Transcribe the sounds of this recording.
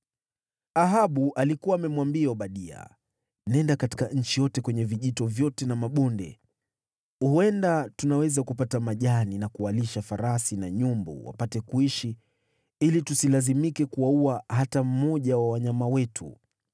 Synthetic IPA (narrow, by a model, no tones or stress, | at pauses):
aɦaɓuʔalikuwaːmɛmwambiauɓaɗia̰ | nɛndakati̥kaɲ̩t͡ʃijɔtɛkwɛɲɛviʄitɔvjɔtɛnamaɓɔndɛ̰ | uhuɛndatunawɛzakupatamaʄaninakuwaliʃafaɾasinaɲumbɔ̰wa̰patɛkuiʃi | ilitusilazimikɛkuwauaɦatam̩mɔʄawawaɲamawɛtʰṵ